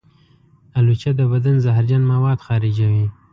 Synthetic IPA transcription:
alut͡ʃad̪əbad̪anzaɦɾd͡ʒanmawɑd̪xɑɾɪd͡ʒawi

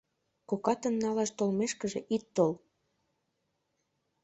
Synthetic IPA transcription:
kokɑt̪ənːɑlɑʃt̪olmeʃkəʒeʔit̪ːol

